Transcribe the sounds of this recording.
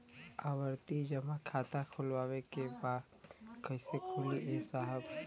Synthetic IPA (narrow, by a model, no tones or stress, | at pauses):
aːwəɾt̪id͡ʒɐmakʰaːt̪akʰʊlʋaːwekebaːd̪ | kɐɪsekʰʊliʔɪsaːɦəb